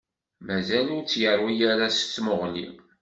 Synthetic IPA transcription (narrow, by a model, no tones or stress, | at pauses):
mæzælut͡sːjərˤwijaɾast͡sːmʊʁlḭ